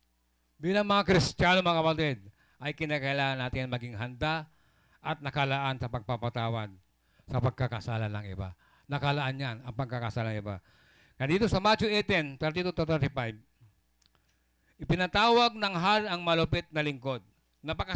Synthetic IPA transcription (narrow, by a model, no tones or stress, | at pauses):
bilaŋmɐŋakɾɪst͡ʃanomakapat̪id̪̚ | ajkɪnakɐʔilaŋanːaːt̪ɪnmɐɡɪŋɦand̪a | ʔat̪̚nɐkalaʔansɐpɐɡ̚papat̪awad̪̚ | sɐpaɡ̚kakasalalaŋɪ̰ba̰ | nɐkalaʔanɲanɐŋpɐɡ̚kakasalaŋiba̰ | kɐd̪iːt̪osɐmat͡ʃoɛt̪ɛnt̪ɛɾt̪it̪ut̪ot̪ɛɾt̪ɪpajb̚ | ɪpɪnat̪awaɡ̚nɐŋɦaɾɐŋmɐlopɪt̪̚nɐlɪŋkod̪̚ | nɐpaka